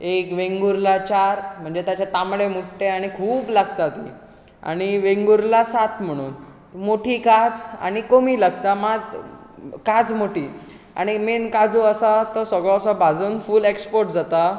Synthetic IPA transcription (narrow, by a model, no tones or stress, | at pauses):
ekʋeŋɡuɾlat͡ɕaɾm̤əɳd͡zet̪jat͡ɕat̪amɽemuʈʈeaɽ̃ikʰuːblaɡt̪at̪i | a̰ɽ̃iʋeŋɡuɾlasat̪m̤əɽ̃uːn | moʈʰiːkat͡sa̰ɽ̃ikomiːləɡ̚t̪amad̪ | kad͡zmoʈʰiː | a̰ɽ̃imenkad͡zoəsat̪ɔsəɡɭɔ̃sɔbʱad͡zuːnfuːlekspoɾʈd͡zat̪a